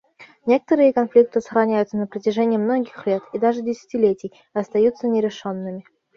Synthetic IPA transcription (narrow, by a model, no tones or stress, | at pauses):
nʲe̞kə̥t̪əɾɨjəkɐnflʲik̚t̪ɨsə̥xɾɐnʲæjʊt̪sənəpɾətʲɪʐɛnʲɪjəmno̞ɡʲɪxlʲe̞t̪id̪aʐɨdʲɪsʲɪ̥tʲɪlʲetʲɪj | ɐst̪ɐjut̪sənʲɪɾʲɪʂonːɨmʲɪ